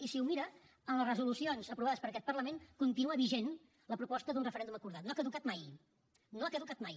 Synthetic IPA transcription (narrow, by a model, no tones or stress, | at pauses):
isiumiɾə | ənləzrəzulusionzəpɾuβaðəspəɾəkɛt̪̚pərləmeŋkunt̪inuəβiʒen | ləpɾupɔst̪əðunrəfəɾɛnd̪uməkuɾðat̪noakəðukat̪maj | noakəðukat̪̚maj